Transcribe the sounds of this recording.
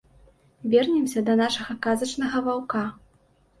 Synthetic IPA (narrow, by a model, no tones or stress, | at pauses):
vʲɛrnʲɛmsʲɐd̪ɐnaʂɐɣɐkazɐt͡ʂnɐɣɐvawka